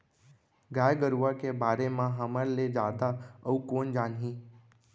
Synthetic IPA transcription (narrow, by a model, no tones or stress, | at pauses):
ɡaːjɡəɾuʋakebaːɾemãɦəməɾled͡ʒaːd̪aəũkoːnd͡ʒaːnɦĩː